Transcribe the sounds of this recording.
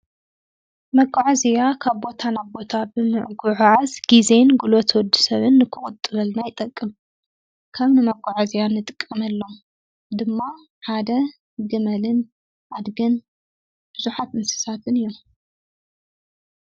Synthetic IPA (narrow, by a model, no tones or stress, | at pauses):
mɐɡʼaʕazijakʰaβbo̞t̪ʰanabo̞t̪ʰabɨmɨʕɡʊʕʕazɡ̥izenɡulot̪wɔd̪ːu̥sɐβɨnːɨkʰɨχʼʊt̪ʼːɨlɐlnajɪt̪ʼɐkʼːɨm | kʰɐβnɨmɐɡʷʼaʕazijanɨt̪ʼɨ̥kʼːɐmɐlːo̞m | d̪ɨmːa | ħad̪ɐ | ɡɨmɐlɨn | ʔad̪ɡɐn | b̥ɨzuħat̪mɨsɨ̥sat̪ʰɨnɨjːom